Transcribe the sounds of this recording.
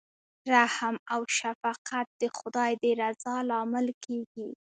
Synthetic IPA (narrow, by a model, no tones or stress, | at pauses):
ɾahmawʃafaqat̪̚d̪̥əxʊd̪ɑjd̪əɾazɑlɑmɪlkeɡi